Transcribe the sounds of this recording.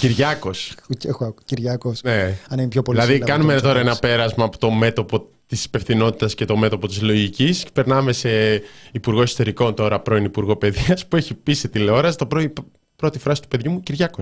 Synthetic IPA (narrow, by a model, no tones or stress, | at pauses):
ciɾʝɐko̞sexoɐkciɾʝɐkosneɐnimpçopolilɐɐðikɐnumet̪oɾɐenɐpe̞ɾɐzmɐːpo̥t̪o̞me̞t̪o̞po̞ | t̪isi̥pe̞fθino̞t̪it̪ɐsce̞t̪o̞me̞t̪o̞po̞t̪izlo̞ʝicispe̞ɾnɐme̞se̞ipuɾɣo̞eso̞t̪e̞ɾiko̞nt̪o̞ɾɐpɾo̞inipuɾɣo̞pe̞ðiɐspueçipiset̪ileo̞ɾɐst̪opɾoi | pɾo̞t̪ifɾɐsi̥t̪u̥pe̞ðʝumuciɾʝɐko